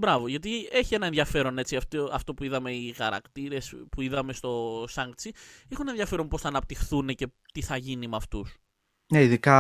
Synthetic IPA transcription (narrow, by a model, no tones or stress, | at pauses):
bɾɐvo̞ʝɐt̪̬ie̞çie̞nɐeðʝɐfe̞ɾo̞ne̞t͡siɐft̪oɐft̪o̞puiðɐme̞ixɐɾɐ̰kt̪iɾe̞spuiðɐme̞st̪o̞sɐŋɡt͡sieçunɐenðʝɐfe̞ɾo̞npo̞sθɐːnɐp̚t̪ixθune̞ce̞ | t̪iθɐʝinimɐft̪us | neiðikɐ